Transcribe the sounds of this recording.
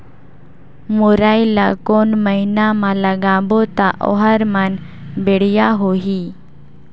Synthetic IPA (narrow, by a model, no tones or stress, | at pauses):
moɾajila̰konməɦinamalaɡãbot̪aʔɔ̰ɦaɾman | beɽjaɦoɦi